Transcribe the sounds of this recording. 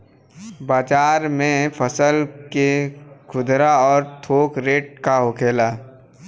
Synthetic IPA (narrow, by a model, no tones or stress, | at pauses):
baːd͡ʒaːɾmẽpʰəsəlkekʰʊd̪ɾaɔːɾt̪ʰoːkɾeːʈ̚kaɦʊkʰeːlaː